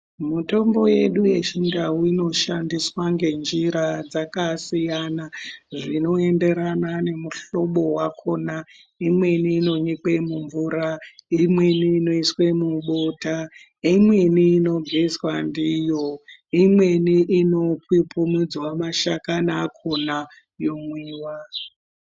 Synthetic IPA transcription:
muto̞mbo̞je̞ɗuje̞t͡ʃindawuino̞ʃandiswaŋɡe̞nd͡ʒiɾad͡zakasijanaʐino̞e̞nde̞ɾanane̞muɬo̞ɓo̞wakʰo̞na | imwe̞niːno̞ɲikwemuɱvuɾaimwe̞niːno̞iswemuɓota | imwe̞niːno̞ɡʱeswandijo̞imwe̞niʔino̞pwipʰumid͡zwamaʃakanaːkʰo̞na | jo̞mwiːwa

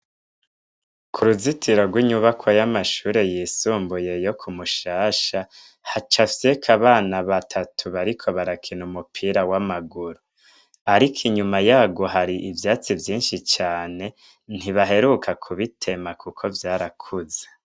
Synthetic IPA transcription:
kʰuɾuzitʰiɾo̞ɡwiɲuβakʰwojamaʃuːɾe̞jiːsuːmbuje̞jo̞kʰumuʃaːʃa | hat͡ʃafsekʰaβaːnaβatʰatʰuβaɾikʰo̞βaɾakʰinumupʰiːɾawamaɡuɾu | aɾikʰiɲumajaːɡo̞ɦaɾiʔivjaːt͡sivjiːnʃit͡ʃaːne̞ | n̥hiβaɦe̞ɾukʰakʰuβitʰe̞makukʰo̞vjaːɾakʰuze

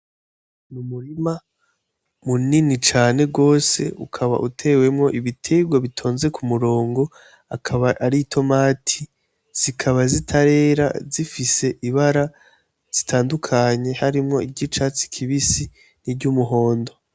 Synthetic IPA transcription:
mumuɾima | muninit͡ʃaːne̞ɡo̞ːse̞̰ukʰaβa̰ʔutʰe̞we̞mŋo̞ʔiβitʰe̞ɡwaβitʰo̞ːnze̞kʰumuɾo̞ːŋɡo̞ | akʰaβaʔaɾitʰo̞maːtʰi | z̥ikʰaβazitʰaɾe̞ːɾa̰zifise̞ʔiβaɾa | z̥itʰaːndukʰaɲe̞haɾimŋo̞ibɟit͡ʃat͡si̥kʰiβisi | nibɟumuɦo̞ːndo̞

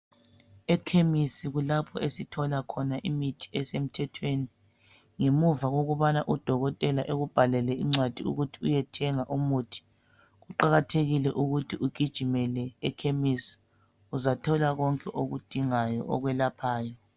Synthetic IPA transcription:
ɛkʰemisiɣulapʰɔesitʰɔlakʰɔnaʔimitʰi̥ɛsem̩tʰɛtʰweni | ŋemuvaɣoɣuβanaʔud̥ʱɔɣɔtʼɛlaʔeɣub̥ʱalɛlɛiŋ͡ǀwad̥ʱiṵɣutʰiujɛtʰɛŋaʔumuːtʰi̥ | ɣuǃaɣatʰeɣilɛʔuɣutʰiʔuɡ̥ʱid̥ʒ̥ʱimɛlɛːkʰemisi̥ | uzatʰɔlaɣɔŋkʼɛʔoɣud̥ʱiŋajɔ̰ʔɔ̰ɣwɛlapʰaːjɔ

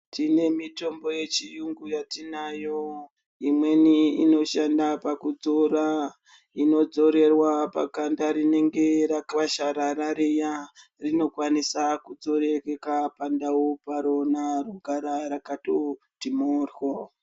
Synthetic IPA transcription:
tine̞mito̞mbo̞je̞t͡ʃijuŋɡujatinajo | imwe̞niino̞ʃandapakud͡zoɾa | ino̞d͡zo̞ɾe̞rwapa̰kandaɾine̞ŋɡe̞ɾakaʃaɾaɾaɾeja | rino̞kwanisakud͡zo̞ɾe̞kekapandawopaɾo̞naruɡʱaɾaɾakato | timoːrwo

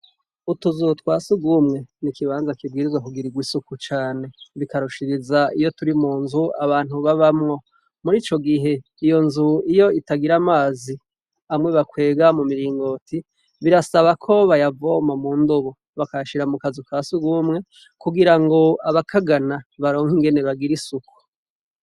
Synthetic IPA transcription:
utuzutwaːsuɡumŋe̞nikiβaːnzakibɡiːɾizwakuɡiɾiɡwisukut͡ʃaːne̞βikaɾuʃiɾizaijo̞tuɾimuːnzuaβaːn̥huβaβamŋo̞ | muɾiːt͡ʃo̞ɡiɦe̞ | ijo̞nzuijo̞itaɡiɾamaːzi | amŋwe̞βakwe̞ːɡamumiɾiːŋɡo̞tʰi | βiɾasaβakʰo̞βajavo̞mamuːndoβo | βakajaʃiɾamukazukʰaːsiɡuːmŋe̞ | kuɡiɾaŋɡo̞aβakʰaɡanaβaɾo̞ːŋhiŋɡe̞ne̞βaɡiɾisuku̥

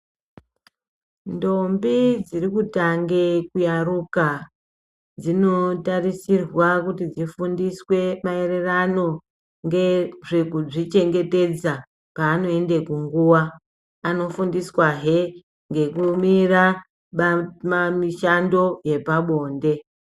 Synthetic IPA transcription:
ndo̞mbid͡zirikutaŋɡekujaruka | d͡zino̞tarisirwakutid͡zifundiswe̞mae̞re̞rano̞ | ŋɡeʐekuʐit͡ʃe̞ŋɡe̞te̞d͡za | paːno̞e̞nde̞kuŋɡuwaː | no̞fundiswaɦe | ŋɡe̞kumira | mamiʃando̞je̞paɓo̞ːnde̞

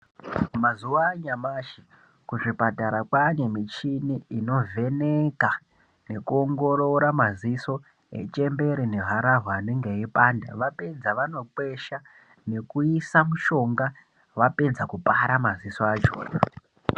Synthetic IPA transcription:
mazuʋaɲamaːʃi | kuʐipataɾakwane̞mit͡ʃiniino̞ve̞neka | ne̞kuo̞ŋɡo̞ɾo̞ɾamaziso̞ | e̞̰t͡ʃe̞mbe̞ɾine̞ɦaɾaɦːneŋɡe̞ipanda̰ʋaped͡zaʋano̞ǃwe̞ʃa | ne̞kuisamuʃo̞ŋɡa | ʋaped͡zakupaɾamazisoad͡ʒo̰ːta

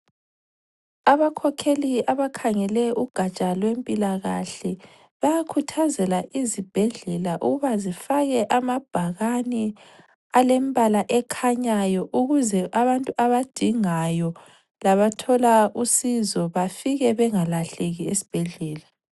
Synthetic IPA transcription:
aβakʰɔkʰeliaβakʰaŋɛlɛʔuɡ̥ʱat͡ʃʼalwempʼilaɣaɬɛ | βajakʰutʰazɛlaʔizib̥ʱɛɮɛlaʔuɣuβazifaɣɛʔamab̥ʱaɣani | alembʱʼalaʔɛkʰaɲajɔʔuɣuzɛʔaβantʼuʔaβad̥ʱiŋajɔ | laβatʰɔlausizɔβafiɣɛβɛŋalaɬeɣiesi̥b̥ʱeɮɛːla

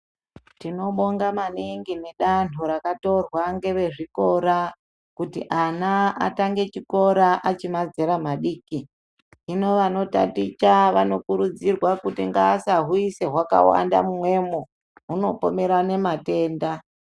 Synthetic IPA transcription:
tino̞ɓoŋɡamaniŋɡine̞ɗantʰuɾakato̞rwaŋɡe̞ʋe̞ʐiko̞ɾa | kutḭʔanaa̰taŋɡe̞t͡ʃiko̞ɾaʔat͡ʃimad͡zeɾamaɗiːki | ino̞ʋano̞ta̰tit͡ʃaʋano̞kuɾud͡zirwakutiŋɡaːsaɦuise̞ɦwaka̰wa̰nda̰mumwe̞mo | ɦuno̞po̞me̞ɾane̞mate̞ːnda

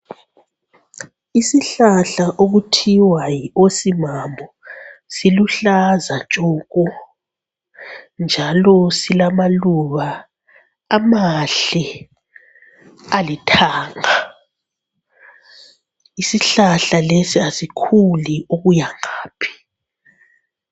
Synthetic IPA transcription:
isiɬaɬaʔoɣutʰiwajiosimambʱɔ | siluɬazat͡ʃʼɔːɣɔ | nd͡ʒʱalɔsilamaluβaː | maɬɛ | alitʰaːŋa | isiɬaɬalesiasikʰuliʔoɣujaŋaːpʰi̥

